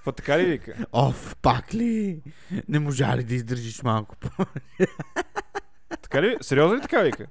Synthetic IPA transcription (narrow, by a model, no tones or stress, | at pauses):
fɐt̪ɐkalivikɐ̰ɔfpakli | nemuʒa̰lid̪izd̪ɨɾʒismalku̥po | t̪ɐ̥kaliviseɾiozɐlit̪ɐ̥kavikɐ